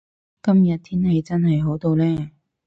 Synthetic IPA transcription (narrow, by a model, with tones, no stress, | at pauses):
kɐ˥mjɐ˨t̚t̪ʰiː˥nhɐ˨jt͡sɐ˥nɦɐ˨jɦo˨˥wt̪o˧wlɛː˥